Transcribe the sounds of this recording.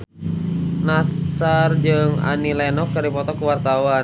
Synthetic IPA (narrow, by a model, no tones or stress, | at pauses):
nasard͡ʒɨŋa̰nilɛnɔk̚kardipɔt̪ɔkuwart̪awa